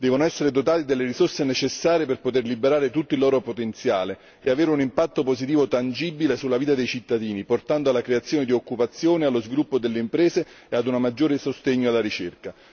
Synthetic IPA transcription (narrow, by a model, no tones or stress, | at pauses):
d̪ɛːvonoɛsːeɾed̪ot̪aːt̪id̪elːeɾisorsenet͡ʃesːaːɾjeperpot̪erlibeɾaːɾet̪ut̪ːoilɔːɾopot̪ent̪sja̰ːle | eaveːɾeunimpat̪ːopozit̪̬iːvot̪and͡ʒibilesulːaviːt̪ad̪ejt͡ʃit̪ːad̪iːniport̪and̪oalːakɾeat̪sːjoːned̪iokːupat̪sːjoːnealːozvilupːod̪elːeimpɾɛːzeː | ad̪unamad͡ʒːoːɾesost̪eɲːoalːaɾit͡ʃerka